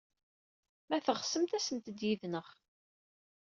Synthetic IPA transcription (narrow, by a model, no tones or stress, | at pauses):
mæθəʁsəmt̪æsənt̪əd̪jiðnəʁ